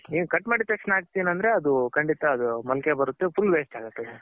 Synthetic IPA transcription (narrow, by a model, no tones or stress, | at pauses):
niːʋukɐʈːmaːɽit̪ɐkʂnaːɡ̚t̪iːnɐnd̪ɐɾe̞ɐd̪ukɐɳɖit̪ɐːd̪umɐlkebɐɾut̪ːepʰulːʋeːsʈaːɡɐt̪ːɐd̪e